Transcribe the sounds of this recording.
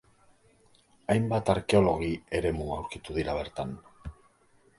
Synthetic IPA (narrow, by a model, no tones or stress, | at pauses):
ajmbat̪aɾke̞o̞lo̞ɣ̞ie̞ɾe̞muawɾkit̪uðiɾaβ̞e̞ɾt̪an